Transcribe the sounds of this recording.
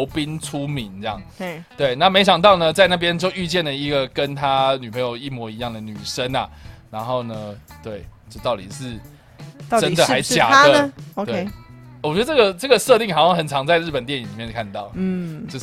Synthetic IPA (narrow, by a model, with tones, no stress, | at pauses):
ʊpi˦nʈ͡ʂʰu˦˥mi˨˦nt͡sjɑ̰˥˩ŋt̪we˥˩ɪna˥˨me˧˥ɪɕ̬jɑ˨˩ŋt̪ɑ˥˩ʊnə˨t͡sa˥˧ɪna˥˩p̬jɛ˥nt͡ɕjo˥˧ʊy˥˧t͡ɕjɛ˥˩nlə˩i˧˦˥ɡə˨kə˦nt̪ʰa˦ny˨˩pʰə˧˥ŋjo˨˧ʊi˥˩mwɔ˧˥i˧˥jɑ˥˩ŋd̪ə˩ny˨˩ʂə˦na̰˨ɻa˧˥nxo˥˩ʊnə˦t̪we˥˩ɪt͡ɕo˥˧ʊt̪ɑ˥˩ʊt̪i˨˩ʂɻ̩˥˩ | ʈ͡ʂə˦nd̪ə˨xa˧˥ɪt͡ɕja̰˨˩ə˦we˩wɔ˨˩t͡ɕɥɛ˧˥də˧ʈ͡ʂɤ˥˩ɡə˨ʈ͡ʂə˥˩ɡə˩ʂɤ˥˧t̪i˥˩ŋhʂɑ˥˧ŋxə˨˩nʈ͡ʂʰɑ˧˦ŋt͡sa˥˧ɪɻ̩˥˩pə˨˩nt̪jɛ˥˩ni˨˦li˨˩jnkʰa˥˧n˩t̪ɑ˥˩ʊt͡ɕjo˥˧